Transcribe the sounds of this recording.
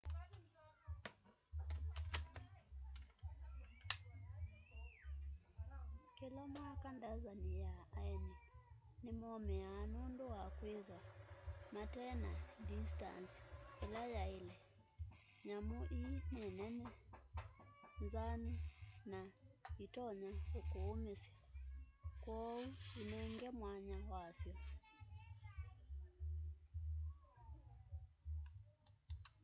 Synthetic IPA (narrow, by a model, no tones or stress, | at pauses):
kilɔmakandazanijaːini | nimɔmɛaːnunduakwiðwamatɛnadista̰nsɛlajailɛ | ɲamoʔinɛnɛnɛ | nzaninaitɔɲaokoːmesja | kwɔuinɛŋɡɛmwaɲawasjɔ